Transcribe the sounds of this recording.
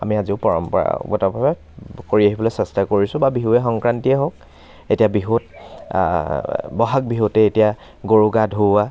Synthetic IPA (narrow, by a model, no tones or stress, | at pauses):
a̰miaziʊpɔɹɔmpɔɹa̰ɡɔtabʱabɛ | koɹiaɦibɔlɛsɛstakoɹisʊ̃babiɦuɛxɔŋkɹantiɛɦok̚ | etijabiɦut̚ | bɔɦak̚biɦutɛetija | ɡoɹuɡadʱua